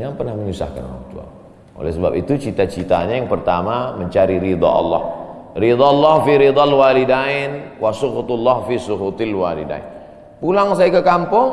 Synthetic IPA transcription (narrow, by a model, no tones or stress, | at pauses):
jaŋpərnahməɲusa̰hka̰n̰wa̰kt̪ua̰ | ʔo̰lɛ̰hsəbapit̪ut͡ʃit̪at͡ʃit̪aɲajaŋpərt̪amaməɲt͡ʃaɾiɾid̪ˤɑ̰ʔɑ̰lːɑ̰h | rid̪ˤɑlːɑhfiɾid̪ˤɑlwalidaɪnwʔasʊkut̪lːɑhfisukut̪ɪlwalḭda̰ɪ̰n | pulaŋs̬ajakəkampʊŋ